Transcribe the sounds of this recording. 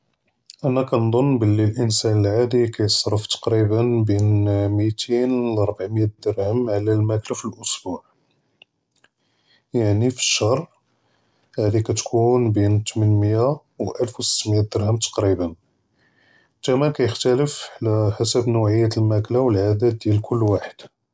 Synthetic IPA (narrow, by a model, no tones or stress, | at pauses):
ʔænækænd̪ˤonːbəlːilʔənsænəlʕad̪ikæjsˤɾˤəft̪ɑ̥qɾibənbinmit̪ʰinlɑɾˤbaʕməjæd̪əɾhəmʕlælmæklæfilʔʊsbuʕ | jaʕnifə̥ʃːɑrˤ | hæd̪ikæt̪kʰunbint̪mənməja | wʔælfwsə̥t̪ːmjæd̪əɾhəmt̪ɑ̥qɾibən | k̪æmænkæjəxt̪ələfʕlæħasəbnuʕəjːæt̪əlmæklawəlʕad̪æd̪̚d̪jælkʰʊlːwaħəd̪̥